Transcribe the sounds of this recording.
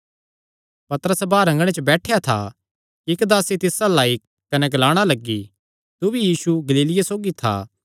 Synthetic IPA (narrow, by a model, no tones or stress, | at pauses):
pɐt̪əɾəsbaːɾɐ̃ŋɡɽ̃et͡ʃəbɛːʈʰejat̪ʰa̰ | ɪkd̪aːset̪ɪsalaːik | kɐnɛɡɐlaːɽ̃alɐɡːi | t̪ubijiːsuɡɐliːlɪjasoːɡit̪ʰa̰ː